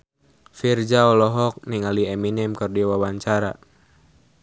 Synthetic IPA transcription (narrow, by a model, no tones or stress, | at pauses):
fird͡ʒaɔlɔɦɔk̚niŋaliɛminɛmkɔrdiwawaɲt͡ʃaɾa̰